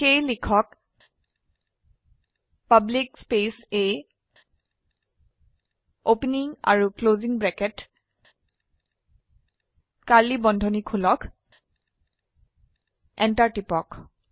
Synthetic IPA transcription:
xejlikʰɔk | pablikspesej | opniŋa̰ɹukloziŋbɹɛkɛt | kalibɔndʱɔnikʰulɔkʰ | ɛntaɹtipɔk

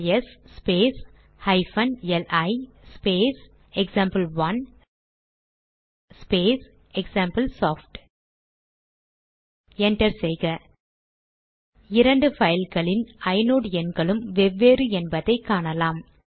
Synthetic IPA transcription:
ɛsːpeːs | hɐɪfɐnɛlʔɐɪspeːs | ɛksaːmpɐlʋɐn | speːs | ɛksaːmpɐlsoːfʈ | ɛɳʈɐɾsɛɪɣɐ | ɪɾɐɳɖɯfɐjɪlɣɐɭɪnɐɪnoːɽɛnɡɐɭɯmʋɛʋːeːɾɯɛnbɐðɐɪkːaːɳɐlaːm

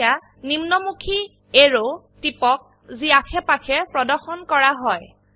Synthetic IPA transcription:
a | nimnɔmukʰi | eɹo | tipɔk̚ | ziakʰɛpakʰɛpɹɔdɔɹxɔnkɔɹaɦɔj

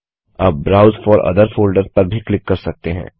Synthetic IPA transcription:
ɐb̚ːɾaːʊzfɔːɾɐ̰d̪əɾfoːlɖəɾpɐɾbʱiklɪkːɐɾsɐk̚t̪eɦɛ̰̃ː

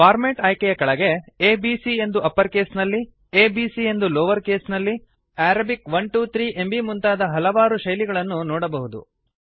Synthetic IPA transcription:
paːɾmeːʈɐjkɛjɐkɐɭɐɡe̞eːbiːsie̞nd̪uʔɐpːɐɾkeːsnɐlːi | eːbiːsie̞nd̪uloːʋɐɾkeːsnɐlːi | æːɾɐbikʋɐɳʈuːt̪ʰɾiːʔembimunt̪aːd̪ɐɦɐlɐʋaːɾuʃɐjliɡɐɭɐnːunɔːɽɐbɐɦud̪ṵ

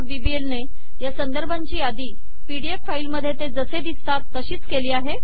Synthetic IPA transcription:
bibielne | jasənd̪əɾbʱaɲt͡ɕiːad̪iː | piɽieffailməd̪ʱːjet̪ed͡zəsed̪ist̪at̪ːəɕiːt͡skeliːaɦe

